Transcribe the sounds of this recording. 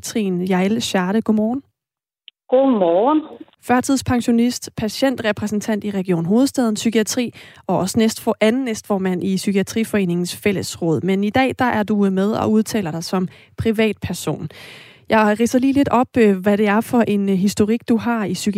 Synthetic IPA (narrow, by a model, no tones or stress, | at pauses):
t͡sʰʁḭːnjɑ̈elɕɑːɾəɡ̥o̝mɒːn̩ | ɡ̥omɒːn | fɶɐt͡sʰiðˠspʰɑ̈ŋɕo̝nisd̥pʰæɕen̰d̥ʁɛpʰʁɛsn̩t͡sʰæn̰d̥iʁɛɡ̥io̝̰ːnɦo̝ːð̩ˠsd̥ɛð̞ˠn̩sykʰiæt͡sʰʁḭːɒ̽ɒ̽sənesd̥fɒʔænn̩ːesd̥fɒːmæn̰ʔisykʰiæt͡sʰʁḭːfɒe̝̰ːne̝ŋn̩sfel̰əsʁɔ̽ːð̞̰ˠmenid̥ɛ̰ːd̥ɑ̈ʔæɐd̥umeð̞ˠɒ̽uð̞ˠt͡sʰɛ̰ːlɐɾ̥ɑ̈ɪsɒ̽m | pʰʁiʋɛ̰ːd̥̚pʰæɐso̝̰ːn | jɑ̈ɪʁḭːsɐliːle̝d̥ɒ̽b̥ʋæɾ̥e̝æɐfɒ̽ʔe̝nɦisd̥o̝ʁiɡ̥̚d̥uɦɑ̈isyk